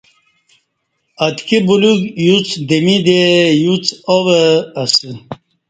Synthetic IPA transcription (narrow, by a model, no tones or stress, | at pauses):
ɐt̪kibuluɡjut͡sd̪emid̪ejut͡sowəɐsɨ